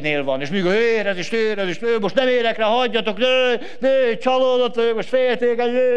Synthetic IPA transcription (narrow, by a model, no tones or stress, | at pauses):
neːlvɒneːʃmiːkɒhøːeːɾɛzeːʃnøːɾɛzeːʃnøːmoʃt̪nɛmeːɾɛkrɛɦɒɟːɒt̪o̞knøː | nøːt͡ʃɒloːd̪ot̪ːøːmoʃt̪feːlt̪eːkɛøː